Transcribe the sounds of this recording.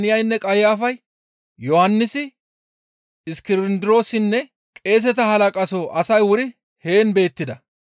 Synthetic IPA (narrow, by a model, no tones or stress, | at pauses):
nɪjɐjnːɛkʼɐjjaːfɐj | jɔhɐnːɪsɪ | ɪskɪɾɪnd̪ɪɾo̞ːsɪnːɛ | kʼe̞ːs̬ɛt̪ɐhɐlɐkʼɐsoːʔɐsɐjwʊɾɪ | he̞ːnbe̞ːt̪ːɪd̪ɐ